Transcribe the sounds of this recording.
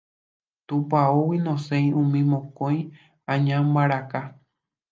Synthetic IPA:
t̪upaowinõsẽjũmĩmõkõj̃ | ãɲãmbaɾaka

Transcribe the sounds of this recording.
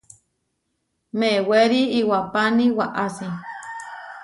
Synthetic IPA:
meweɾiːwapaniwaʔasi

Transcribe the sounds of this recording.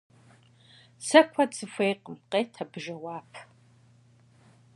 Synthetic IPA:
sɐkʷʰɐt͡sʰɨfʷejqəmqeːtʰabɨʒɐwaːpʰ

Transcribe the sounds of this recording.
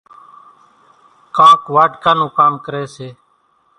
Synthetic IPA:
kãːkʋaːɖkãːnũːkaːmkəɾeːseː

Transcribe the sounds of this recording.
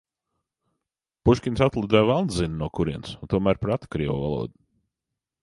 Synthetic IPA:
puʃkʲinsat̪lˠud̪ajvalˠnzzinnuɔkuɾḭɛnsnt̪uɔmæːɾpɾat̪kɾiɛvɔ̰ːva̰lˠṵɔːd̪u̥

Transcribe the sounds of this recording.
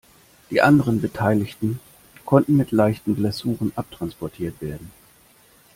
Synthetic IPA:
d̥iːʔandəʁ̞ənbətʰaɪlɪçtn̩ | kʰɔntn̩mɪtlaɪçtn̩blɛsuːʁənʔap̚tʁ̥anspʰɔɐtʰiːɐtv̥eːɐdn̩

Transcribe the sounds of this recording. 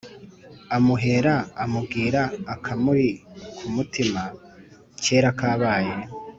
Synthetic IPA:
amuɦe̞ɾaamubɡiːɾaːkʰamuɾikʰumutima | t͡ʃe̞ːɾakaːβaːje

